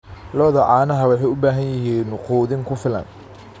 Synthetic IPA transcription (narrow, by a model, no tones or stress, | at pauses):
lɔːðɐʕaːnɐɦɐwɑħɑjʊbaːɦɐnjɪɦiːnːʊquːðɪŋkʰʊfɪlɐ̰n